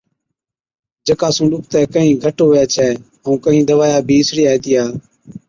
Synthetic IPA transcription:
d͡ʒəkaːsũːɗʊk̚t̪ɛːkəɦĩːɡʱəʈoːɛːt͡ʃʰɛː | əũːkəɦĩːd̪əʋaːjaːbʱiːɪsɾiːaːeːt̪ɪjaː

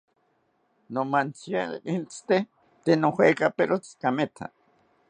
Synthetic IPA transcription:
nomant͡sjaint͡st̪e | t̪enohekapeɾot͡skamet̪ʰa̰

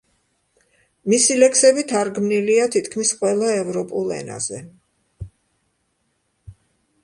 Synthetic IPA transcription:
misilɛksɛbit̪ʰaɾɡmniliat̪ʰit̪ʰkʰmisqʼwɛlˠaɛvɾɔpʼulˠɛ̰na̰z̥ɛ

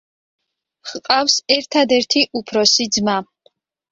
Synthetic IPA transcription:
χqʼafsɛɾt̪ʰad̪ɛɾt̪ʰiʔupʰɾɔsid̪zma

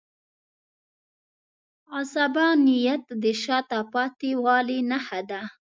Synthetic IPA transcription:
asabɑnijat̪d̪əʃɑt̪apɑt̪iwɑlinahad̪a

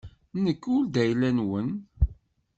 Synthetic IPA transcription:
nəkːʊld̪æjlænwən

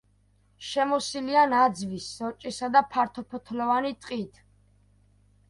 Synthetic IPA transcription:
ʃɛmɔsilianad̪zvisːɔt͡ʃʼisad̪apʰaɾt̪ʰɔpʰɔt̪ʰlɔvanit̪ʼqʼit̪ʰ

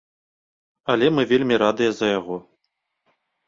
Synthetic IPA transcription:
ɐlʲɛmɨvʲelʲmʲiɾad̪ɨjɐzɐjaɣɔ

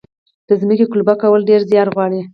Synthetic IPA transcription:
d̪̥əzməkekʊlubakawəlɖeɾzjɑɾɣwɑɽi

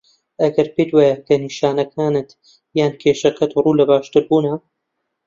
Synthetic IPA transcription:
ʔɐɡɐɾpet̪waːjɐkʰɐniːʃaːnɐkʰaːnɨt̪ | jaːnkʰeːʃɐkɐt̪ruːlɐbaːʃt̪ɨɾbuːnɐ

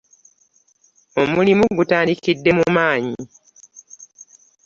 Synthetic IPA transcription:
o̞mulimuɡutaːndikidːe̞mumaːɲi

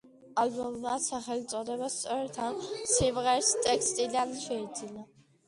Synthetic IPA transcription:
albɔmmasaχɛlit̪sʼɔd̪ɛbast̪sʼɔɾɛt̪ʰansimʁɛɾst̪ʼɛkst̪ʼilanʃɛid̪zina

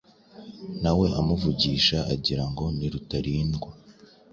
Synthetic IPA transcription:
nawe̞ʔamuvuɟiːʃaʔaɟiɾaŋɡo̞niɾutaɾiːnɡwa

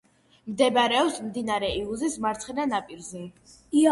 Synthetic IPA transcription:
md̪ɛbɾɛɔpsmd̪inaɾɛiuzismaɾt̪sʰχɛd̪anapʼiɾzɛ

